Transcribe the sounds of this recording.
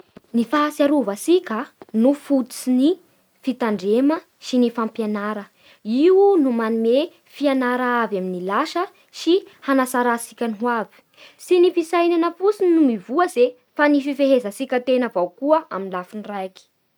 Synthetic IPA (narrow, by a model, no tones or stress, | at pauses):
nifaasiaɾuvasikʲənufut̪t͡sini | fit̪aɳɖ͡ʐemə | ʃinifampjanaɾə | iunumanume | fianaɾaavaminilaʃə | ʃihanasaɾasikʲanɦuavi̥ | sinifisajnanəfusinnumivuəze | fanififeɦezəsikʲət̪enəvawkuəʔa̰minlafinrajki̥